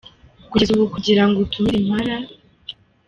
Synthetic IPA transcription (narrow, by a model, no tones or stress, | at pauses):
kuɟezuβokuɟiɾaŋɡotumiɾim̥haɾa